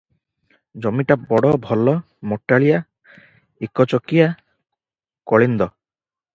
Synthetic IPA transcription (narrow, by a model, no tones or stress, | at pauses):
d͡ʒɔmiʈabɔɽɔbʱɔlɔ | mɔʈːaɭija | ikɔt͡ʃɔkija | kɔɭind̪ɔ